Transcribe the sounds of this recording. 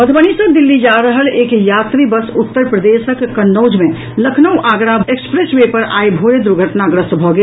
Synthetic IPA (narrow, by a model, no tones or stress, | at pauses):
bəd̪ʱbəñisəd̪ɪlːid͡ʒaːɾəɦəleːkjaːt̪ɾibəsʊt̪ːəɾpɾəd̪eːsəkːɐnːoːd͡ʒmẽ | ləkʰnəwʔaːɡɾaekspɾeswepəɾa̰ːibʱoed̪uɾɡʱəʈnaɡɾəsbʱɔɡe